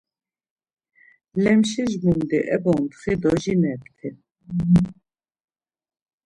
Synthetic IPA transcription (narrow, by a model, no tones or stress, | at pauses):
lɛmʃiʒmumd̪iʔɛbɔnt̪χid̪ɔʒinɛpt̪ʰi